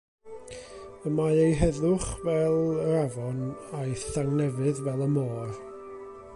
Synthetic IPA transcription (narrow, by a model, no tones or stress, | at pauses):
əmaejɦɛðʊχvɛlˠəɾavɔnajθaŋnɛvɨðvɛlˠəmoːr